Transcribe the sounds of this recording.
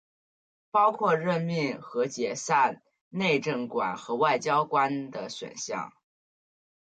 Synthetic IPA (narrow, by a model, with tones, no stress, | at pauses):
pɑ˥ʊkʰwɔ˥˧ɻə˥˧nmi˥˩ŋxɤ˧˥t͡ɕjɛ˨˩sa˥˧n | ne˥˧ɪʈ͡ʂə˥˩ŋkwa̰˨˩˦nxɤ˧˥wa˥˩ɪt͡ɕjɑ˥ʊkwa˥nd̪ə˨ɕwə̰˨˩nɕjɑ̰˥˩ŋ